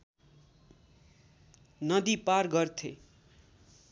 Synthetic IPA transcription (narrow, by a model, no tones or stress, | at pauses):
nʌd̪iparɡʌrt̪ʰḛ